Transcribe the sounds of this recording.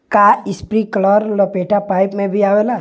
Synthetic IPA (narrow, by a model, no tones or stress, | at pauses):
kaɪspɾikəlɔɾlɔpeːʈapaːɪpmẽbʱiaːʋela